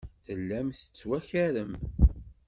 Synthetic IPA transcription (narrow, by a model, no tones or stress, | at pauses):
θəlːæmθə̥t͡sːwæçæɾəm